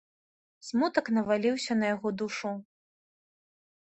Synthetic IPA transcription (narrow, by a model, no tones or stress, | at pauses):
smut̪ɐknɐvalʲiwsʲɐnɐjaɣɔd̪uʂu